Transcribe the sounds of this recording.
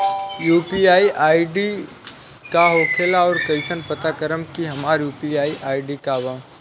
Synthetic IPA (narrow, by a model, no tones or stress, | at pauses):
juːpiaːiʔaːiɖi | kaɦoːkʰeːlaɔːɾkɐɪʃənpət̪akəɾəmkiɦɐmaːɾjuːpiaːiʔaːiɖikaʋã